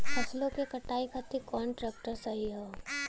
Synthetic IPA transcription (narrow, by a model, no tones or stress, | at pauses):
pʰɐslõkekɐʈaːikʰat̪ikɔːɳʈɾɛːk̚ʈəɾsɐɦiɦɛː